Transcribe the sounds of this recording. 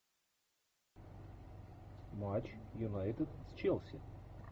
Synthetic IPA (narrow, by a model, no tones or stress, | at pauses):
mat͡ɕjunajt̪ɨd̪st͡ʃɛlˠsʲɪ̰